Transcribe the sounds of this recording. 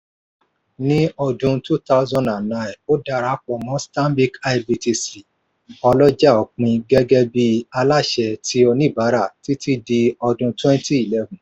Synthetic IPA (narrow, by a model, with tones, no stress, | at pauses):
nĩ˦ɔ˧dũ˧tu˦ta˦ʊ˦zɔ̃˦˧nã˨nnã˦˨j̃no˦da˧ɾa˨˦k͡pɔ˨mɔ̃˦stã˦mbi˦ka˧ibi˧ti˧si˨ | ɔ˧lɔ˦d͡ʒa˦˨ɔ˨k͡pĩ˧ɡɛ˦ɡɛ˦bi˧a˧la˦˨ʃɛ˧tʰi˦ɔ˧nĩ˦˨ba˨˦ɾa˦˨ti˦ti˦di˧ɔ˧dũ˧twɛ̃˦n˦ti˦i˨lɛ˦vũ˨